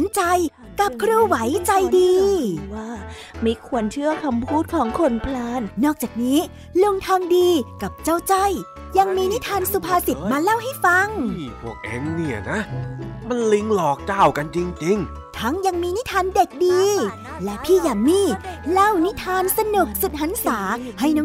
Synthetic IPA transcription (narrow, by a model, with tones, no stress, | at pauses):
nt͡ɕa˧j | ka˨˩p̚kʰɾuː˧wa˨˦jt͡ɕa˧jdiː˧waː˥˩ | ma˥˩jkʰu˧ənt͡ɕʰɯ˥˩əkʰa˧mpʰuː˥˩t̪̚kʰɔː˩˦ŋkʰo˧npʰlaː˧˥nːɔː˥˩k̚t͡ɕaː˨˩k̚niː˦˥ | lo˧ŋt̪ʰaː˧ŋdiː˧ka˨˩p̚t͡ɕa˥˩wt͡ɕa˥˩j | ja˧ŋmiː˧ni˦˥t̪ʰaː˧nsu˨˧˩pʰaː˧si˨˩t̪̚maː˧la˥˩wɦa˥˩jfa˧ŋpʰu˧˩ək̚ʔḛ˨˧˦ŋni˧˩ɐna˦˥ma˧nli˧ŋlɔː˨˩k̚t͡ɕaː˧˩wka˧nt͡ɕi˧ŋt͡ɕi˧ŋ | t̪ʰa˦˥ŋja˧ŋmiː˧ni˦˥t̪ʰaː˧nde˨˩k̚diː˧ | lɛ˦˥pʰiː˥˩jaː˨˩ŋmiː˧˥˩la˥˩wni˦˥t̪ʰaː˧nsa˧nu˨˩k̚su˨˩t̪̚ɦa˨˦˥nsaː˩˦ha˥˩jnɔː˦˥